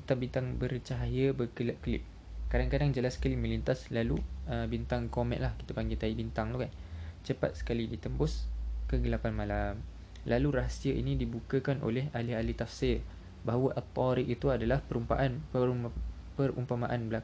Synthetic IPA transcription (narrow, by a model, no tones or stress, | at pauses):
it̪abint̪aŋbəɾt͡ʃaɦaɦiəbəkəlaʔ̚kəlɪ̰p̚ | kadaŋkadaŋd͡ʒəlasːə̥kalimə̃lint̪aslaluəbint̪aŋkomɛ̰nʔlahki̥t̪apaŋɡet̪aibint̪aŋt̪ukant͡ʃəpa̰t̪̚sə̥kalidit̪əmbʊskəɡəlapanmalam | laluɾaɦasiəʔḭnĩdibukəkanʔo̰lɛɦalɪɦalit̪afsɪr | baɦawəʔət̪ɔɾiʔit̪uadalahpəɾumpa̰ʔanə | pəɾṵmpamaʔanbəlak